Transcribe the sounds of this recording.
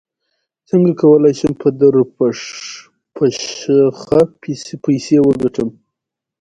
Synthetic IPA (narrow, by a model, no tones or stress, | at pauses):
t͡səŋɡakawəlajʃəmpʰəd̪əɾpʂ | pʰaʃxapajsewəɡaʈəm